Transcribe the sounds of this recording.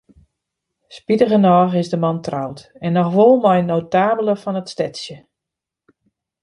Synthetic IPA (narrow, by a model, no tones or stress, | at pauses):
spidəɣənɔːxɪzdəmɑntrawtɛnːɔxʋolˠmɔjnowtaːbəlˠəfɔnətstɛtsjə